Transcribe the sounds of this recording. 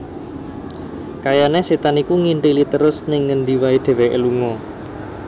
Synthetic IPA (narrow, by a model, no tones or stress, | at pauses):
kajaneset̪anikuŋiɳʈilit̪əɾʊsnɪŋːənd̪iwaid̪̥e̤wɛʔḛluŋɔ